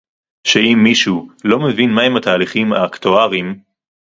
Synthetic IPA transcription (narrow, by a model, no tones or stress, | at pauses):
ʃeimːiʃulo̞mevinmaɦemat̪aːliχima̰kt̪oaʁim